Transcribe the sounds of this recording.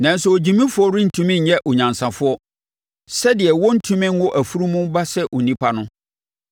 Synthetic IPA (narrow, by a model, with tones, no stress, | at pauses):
nã˨n̩˦sɛ˨o˨d͡ʑi˨mĩ˦fʊ˦ɔ˦ɾɪ˦n̩˨tʰũ˦mɪ̃˦ɲ̩˨ɲɛ˦ʔɔ˨ɲã˨nsã˨fʊ˦ɔ˦ | sɛ˦dɪ˨ɛ˨wɔ˦n̩˦tʰũ˦mɪ̃˦ŋ̩˦wʊ˦ʔæ˨fu˦ɾu˦mũ˦ba˦sɛ˦ʔɔ˨nĩ˦pʰa˦nʊ̃˦